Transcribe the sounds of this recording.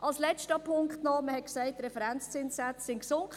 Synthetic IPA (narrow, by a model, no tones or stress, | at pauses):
ʔɑlslɛstəpʰʊŋkχtnɔməhɛt̚ksɛɪtːɾɛfɛɾɛnt͡st͡sɪnssat͡ssɪnksʊŋkχ